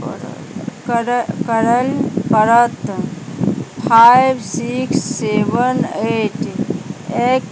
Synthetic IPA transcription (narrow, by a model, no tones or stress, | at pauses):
kəɾəlpəɾət̪ | pʰajbsiksːeʋəneːʈ | ek